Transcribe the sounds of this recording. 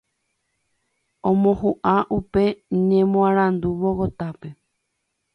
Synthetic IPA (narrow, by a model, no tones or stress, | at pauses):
õmõhuʔaʔupe̞ɲẽmõãɾ̃ãnd̪uʋoɣot̪ape̞